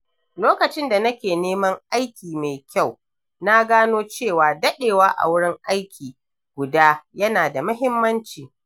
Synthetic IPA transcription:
loː˦kɐ˨t͡ʃɪ˦nda˨nɐ˦kʲeː˨neː˦mɐ˦ŋʔa˦jkʲiː˨me˨jkʲa˦˨w | na˦ɡaː˦noː˦t͡ʃeː˦˨waː˨dɐ˦ɗeː˨waː˦ʔa̰˨wʊ˦ɽɪ˦ŋʔa˦jkʲʰiː˨ | ɡ̥ʷʊ˨daː˦jɐ˦naː˨da˨mɐ˦ɦɪ˦mːɐ˦nt͡ʃiː˨

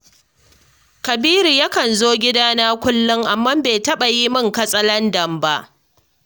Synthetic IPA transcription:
kɐ˨biː˦ɾu˨ja˦kɐ˨nzoː˦ɡʲɪ˦daː˦naː˦kʷʊ˦lːʊ˦ŋʔa˨mːa˦mbeː˨tɐ˦ɓa˨ji˦mɪ˦ŋkɐ˦sʼɐ˦lɐ˦ndɐ˨mba˦ʔ

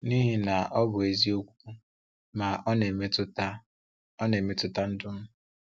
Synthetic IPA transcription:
ni˦ɦi˦na˨ɔ˦bʊ˨e˨zi˦o˦kʷu̥˦kʷu˦ | ma˨ʔne˨me˦tʊ˦ta˦ | ɔ˦ne˨me˦tʊ˦ta˦n̩˦dʊ˦m̩˦

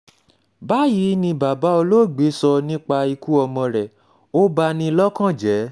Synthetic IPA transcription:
ba˨˦ji˨˦nĩ˧ba˨ba˨˦o˧lo˦˨ɡ͡be˨˦sɔ˧nĩ˦k͡pa˧i˧ku˦ɔ˧mɔ̃˧ɾɛ˨ | o˦ba˧nĩ˧lɔ˦kã˦˨d͡ʒɛ˨˦

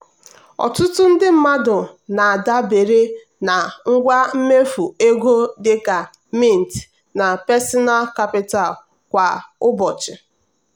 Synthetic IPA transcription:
ɔ̰˨tʊ˦tʊ˦n̩˦dɪ˦m̩˦ma˦dʊ˨na˨a˨da˦be˨ɾe˦ | na˨ŋ̩˦ɡʷa˦m̩˦me˦fu˨e˦ɡo˦dɪ˦ka˨ | mi˦˨n̩˨t | na˨pɛ˦sɔ˦na˦lka˦pɪ˦ta˨l | kʷa˨ʊ˦bɔ˨t͡ʃɪ˨

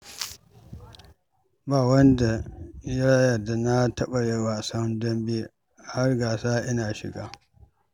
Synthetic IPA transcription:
baː˨wɐ˦nda˨jɪ˦ɽa˦jɐ˨rda˨na˦tɐ˦ɓa˨jɛ˦waː˨sɐ˦ndɐ˦mbeː˦˨ | ha˦rɡaː˨saː˦ʔɪ˦naː˨ʃɪ̰˨ɡaː˦

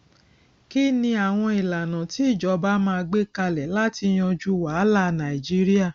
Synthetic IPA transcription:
ki˦nĩ˧a˨w̃ɔ̃˧i˨la˨nã˨ti˨˦i˦˨d͡ʒɔ˨˦ba˦mãː˧ɡ͡be˦ka˧lɛ˨la˦ti˧j̃ɔ̃˧d͡ʒu˦wa˨˦la˦˨nã˨i˨d͡ʒi˦ɾi˦a˦˨

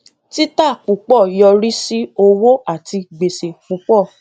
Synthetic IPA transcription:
ti˦ta˦˨k͡pu˨k͡pɔ˦˨jɔ˧ɾi˦si˦o˧wo˦a˦˨ti˧ɡ͡be˨se˨k͡pu˨˧˦k͡pɔ˦˨

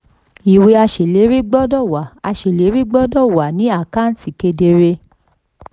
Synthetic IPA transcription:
i˨we˧˦a˧ʃe˨le˨˦ɾi˦ɡ͡bɔ˦dɔ˦˨wa˨a˧ʃe˨le˨˦ɾi˦ɡ͡bɔ˦dɔ˦˨wa˨nĩ˨˦a˦˨ka˦n̩˦ti˨ke˧de˧ɾe˧

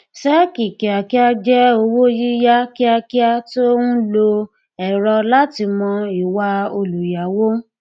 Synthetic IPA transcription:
sɛ˦ki˨ki˨a˨ki˦a˦d͡ʒɛ˦o˧wo˦ji˦ja˦ki˦a˧ki˦a˦to˦nũ˦lo˧ | ɛ˨ɾɔ˧la˦ti˧mɔ̃˧i˨wa˧o˧lu˨ja˨wo˦

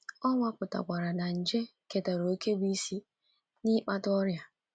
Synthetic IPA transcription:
ɔ˦ŋʷa˦pʊ˨ta̰˨kʷa˨ɾa˨na˨n̩˨d͡ʒe˦ke˨ta˨ɾo˨˦ke˦bi˦si˦ | nɪ˦k͡pa˦tɔ˦ɾja˦

